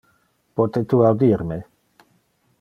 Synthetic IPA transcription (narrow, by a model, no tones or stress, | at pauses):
pot̪et̪uawd̪iɾme